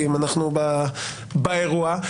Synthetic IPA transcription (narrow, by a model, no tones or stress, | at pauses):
imanaχnuba | baeʁua